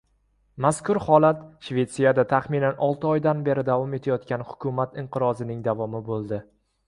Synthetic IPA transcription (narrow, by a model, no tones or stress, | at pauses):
maskʰʊɾhɒlˠat̪ʃve̞t̪sijad̪at̪ʰaχmɪnanʔɒlˠt̪ʰɪɒjd̪anbe̞ɾɪd̪avɒme̞t̪ʰajɒt̪kʲanhʊ̥kʲʰʊmat̪ɪɴqʰɨɾɒzɪnɪŋd̪avɒmɪbolˠd̪ɪ